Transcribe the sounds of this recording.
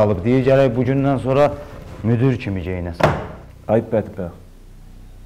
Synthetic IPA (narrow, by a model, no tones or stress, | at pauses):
ɑlˠɯpd̪iiɾɟæɾæjbuɟynd̪ænsoɾɑmyd̪yɾcʰimid͡ʒejnæs | ɑjt̪̚bæt̪ʰbæ